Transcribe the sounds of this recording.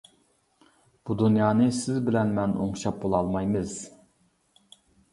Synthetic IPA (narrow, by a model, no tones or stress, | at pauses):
b̥ud̪unjɑːnɨsɪzbɪlɛnmɛno̰ŋʃɑp̚bolˠɑlˠmɑjmɨz̥